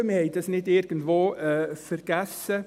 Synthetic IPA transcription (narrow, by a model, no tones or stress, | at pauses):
məhɛɪd̥ɑsnɪdɪɾɡ̥ən̩dʋoːɛfəɾɡ̥æsə